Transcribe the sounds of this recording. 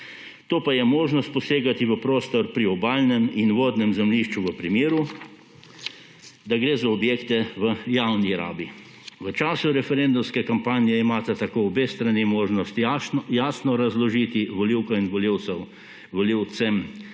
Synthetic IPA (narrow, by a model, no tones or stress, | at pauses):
t̪oːpajɛmoːʒnɔst̪̚pɔseːɡat̪iʋəpɾoːst̪ɔɾpɾiɔbaːlnɛminʋoːd̪nɛmzɛmliʃt͡ʃuʋəpɾimeːɾu | d̪aɡɾeːzaɔbjeːkt̪ɛʋəjawniɾa̰ːbi | ʋət͡ʃaːsuɾɛfɛɾend̪umskɛkampaːnijɛimaːt̪at̪akoːɔbeːst̪ɾanimoːʒnɔst̪jaːsnɔɾazlɔʒiːt̪iʋɔliwkainʋɔliwɛw | ʋɔliw̪sɛm